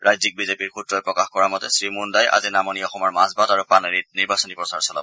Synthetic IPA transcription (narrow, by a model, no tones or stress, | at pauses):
ɹajzik̚bizepiɹkutɹɔjpɹɔkaxkɔɹamɔtɛsɹimundajʔa̰zinamɔniɔxɔmɔɹmazbadaɹupɹaneɹit̚niɹbasɔnipɹɔsaɹsɔla̰b